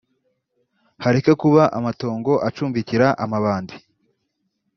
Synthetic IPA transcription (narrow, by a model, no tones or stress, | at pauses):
haɾekakuβaʔamato̞ːŋɡo̞ʔat͡ʃuːɱviciɾaʔamaβaːndi